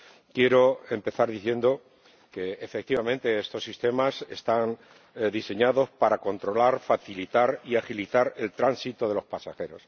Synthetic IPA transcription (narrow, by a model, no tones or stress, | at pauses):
kje̞ɾo̞e̞mpe̞θaɾðiθje̞nd̪o | ke̞ːfek̚t̪iβamẽ̞nt̪e̞est̪o̞sːist̪e̞mase̞̰st̪an | d̪ise̞ɲaðo̞spaɾako̞nt̪ɾo̞laɾfaθilit̪aɾiaxilit̪aɾe̞lt̪ɾansit̪o̞ðe̞lo̞spasaxe̞ɾo̞s